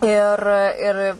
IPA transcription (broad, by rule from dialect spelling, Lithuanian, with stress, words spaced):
ɪr ˈɪr